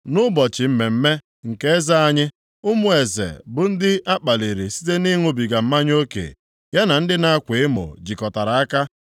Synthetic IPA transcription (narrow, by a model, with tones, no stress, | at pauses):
nʊ˦bɔ˨t͡ʃɪ˨m̩˦me˨m̩˦me˦ | ŋ̩˨ke˦e˦za˦a˦ɲɪ˦ | ʊ˦mʊ˦˨e˨zḛ˨bʊ˨n̩˦dɪ˦ʔa˦k͡pa˨li˨ɾi˨si̥˦te˦ni˦ŋʷʊ˨bi˨ɡa˨m̩˦ma˦ɲ˦o˦kḛ˨ | ja˦na˨n̩˦dɪ˦na˦a˦kʷɪ˨ɪ˦mʊ̰˨d͡ʒi˨kɔ˨ta˨ɾa˨a˦ka˦